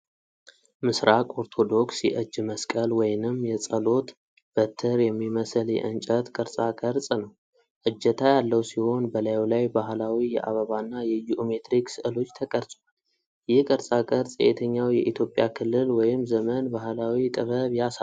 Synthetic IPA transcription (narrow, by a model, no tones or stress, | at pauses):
mɨsɾakʼo̞ɾt̪ʰo̞d̪o̞ksjɛ̰ʔɨd͡ʒːməskʼəlwɔjnɨmːjɛt͡sʼəlo̞t̪ | b̥ət̪ʰːəɾjɛmːiməsɨljɛ̰ʔɨnt͡ʃʼət̪kʼəɾsʼakʼəɾt͡sʼnəw | ʔɨd͡ʒːət̪ʰajalːəwsiho̞nbəlajlajbahlawijɛ̰ʔa̰βəβanːajɛjiʔome̞t̪ɾiksɨʔɨlo̞t͡ʃːt̪ʰəkʼəɾsʼwal | jɪhkʼəɾsʼakʼəɾt͡sʼjɛ̰et̪ʰəɲːawjɛʔit̪ʰjo̞pʼjakʰɨlːɨlwɔjɪmzəmənbahlawit̪ʼɨβəβjas